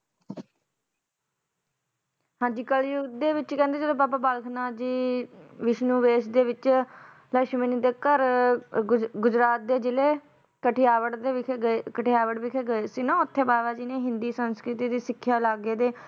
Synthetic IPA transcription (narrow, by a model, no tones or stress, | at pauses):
hãːɲd͡ʒiːkəljʊd̪eːʋɪt͡ʃkɛ̃ːnd̪eːd͡ʒeloːbaːpaːbaːlkʰnaːd͡ʒiːʋɪʃnuːʋeːʃd̪eːʋɪt͡ʃ | ləʃmeːniːd̪eːkəɾ | ɡʊd͡ʒɾaːt̪̚d̪eːd͡ʒɪleː | kəʈʰijaːʋəʈd̪eəekəʈʰejaːʋəʈʋɪkʰeːɡəeːsiːnãːʊt̪ʰːeːbaːbaːd͡ʒiːnẽːɦɪ̃nd̪iːsənskɾɪt̪iːd̪iːsɪkʰːjaːlaːɡeːd̪eː